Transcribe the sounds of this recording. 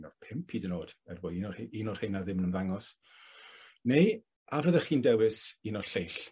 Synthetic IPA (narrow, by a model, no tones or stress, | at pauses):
nɔ̥pʰɪmpʰiːdənoːd̥ɛrboːinɔhinɔr̥hɪjnaðɪmnəmðaŋɔs | nej | avrəðəχiːndɛwɪsiːnɔɬejɬ